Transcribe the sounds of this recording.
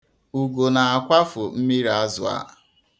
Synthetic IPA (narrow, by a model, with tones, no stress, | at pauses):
u˨ɡo˨na˨a˨kʷa˦fʊ˨m̩˦mi˦ɾa˦zʊ̰˨a̰˨˦